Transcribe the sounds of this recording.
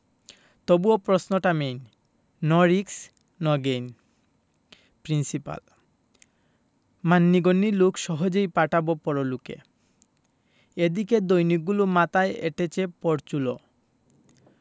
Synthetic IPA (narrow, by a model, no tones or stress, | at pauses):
t̪obuopɾosnoʈamejnː | ɔɾiks | nɔɡen | pɾinsipa̰l | manːiɡonːilukʃɔɦod͡ʑejpaʈabopɔɾolukḛ | ed̪iked̪ojnik̚ɡːulumat̪aeḛʈet͡ɕʰepɔɾt͡ɕulo